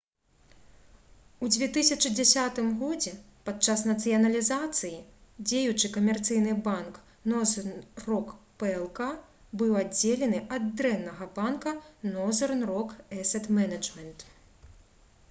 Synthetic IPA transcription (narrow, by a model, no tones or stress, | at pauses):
ud͡zʲvʲɛt̪ɨsʲɐt͡ʂɨd͡zʲasʲat̪ɨmɣɔd͡zʲɛpat̪t͡ʂasnɐt̪sɨjɐnɐlʲizat̪sɨjid͡zʲejut͡ʂɨkɐmʲɛrt̪sɨjnɨbank | nɔznrɔkpɛɛlˠka | bɨwad͡zʲelʲɛnɨʔɐd̪ːɾɛnːɐɣɐbankɐnɔzɛrnrɔkɛsɛt̪mɛnɐd͡ʐmʲɛnt̪